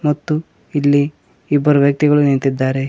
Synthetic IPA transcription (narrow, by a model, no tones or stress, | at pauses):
mɐt̪ːu | ilːiː | bːɐɾuʋjɐk̚t̪iɡɐɭuniɳt̪id̪ːaːɾe